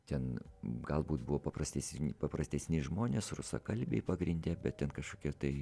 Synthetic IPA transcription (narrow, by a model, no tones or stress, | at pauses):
t̪ʲɛnɡɐlˠbuːt̪bʊʋoːpɐpɾɐsʲt̪ʲɛsʲnʲpɐpɾɐsʲt̪ʲɛsʲnʲɪʒmoːnʲeːsrʊsɐ̰kɐlʲbʲḛɪpɐɡɾʲɪnʲd̪ʲɛːbʲɛt̪̚tʲɛnkɐʃkoːkʲɛːt̪ɐɪ